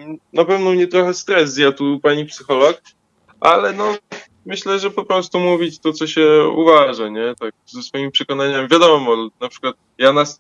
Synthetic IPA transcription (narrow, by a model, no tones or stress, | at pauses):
napɛvnɔmɲɛt̪ɾɔxɛst̪ɾɛzzjat̪upaɲipsɘxɔlɔk̚ | ʔa̰lɛnɔ | mɘɕlɛʐɛpɔpɾɔst̪umuvʲit͡ɕt̪ɔt̪sɔɕɛṵvaʐaɲɛt̪ak̚zɛsfɔjimpʂɛkɔnaɲamvʲjad̪ɔmɔnapʂɘ̥kwat̪̚ | janas